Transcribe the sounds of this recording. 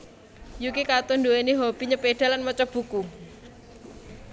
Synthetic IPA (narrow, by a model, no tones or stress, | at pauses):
jukikat̪ɔndoeniɦob̥iɲəpeɖ̥a̤lanmɔt͡ʃɔb̥ṳku